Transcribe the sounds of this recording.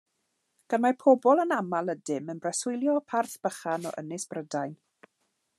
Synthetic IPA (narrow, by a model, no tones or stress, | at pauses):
ɡ̥anmapʰɔbɔlˠənamalˠədɪmənbrɛsʊjlˠjɔpʰarθb̥əχanɔ̰ʔə̰nɪsb̥rədajn